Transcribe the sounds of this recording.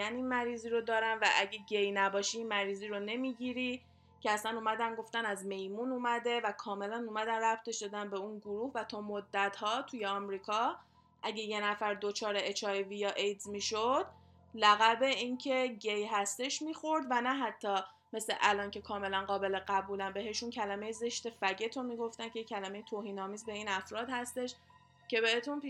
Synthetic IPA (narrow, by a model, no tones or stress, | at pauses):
æninmæɾiːziːɾod̪ɒːɾænvæʔæɟeɟejnæbɒːʃiːnmæɾiːziːɾone̞miɟiɾi | cʰeæslænuːmæd̪ænɡo̞ft̪ænæzme̞jmunuːmæd̪e̞vækʰɒːme̞lænuːmæd̪ænræp̚t̪ʰe̞ʃd̪ɒd̪ænbeunɡoɾuːhvæt̪ʰɒːmod̪ːæt̪hɒːt̪ʰujeɒːmɾiːkʰɒ | ʔæɟe̞je̞næfæɾd̪o̞t͡ʃʰɒːɾeet͡ʃʰɒjevijɒʔejd̪zmiːʃod̪̥̚ | læɣæbe̞incʰe̞ɟejɦæst̪e̞ʃmiːxo̞ɾd̪vænæɦæt̪ʰːɒː | me̞slḛʔælɒːncʰe̞kʰɒːme̞lænɢɒːbe̞leɢæbuːlænbe̞ɦe̞ʃuncʰælæme̞jeze̞ʃt̪e̞fæɟe̞t̪ʰomiːɡo̞ft̪æncʰe̞jecʰælæme̞jet̪ʰoːɦiːnɒːmiːzbe̞iːnæfɾɒːd̪hæst̪e̞ʃ | cʰe̞be̞het̪ʰunp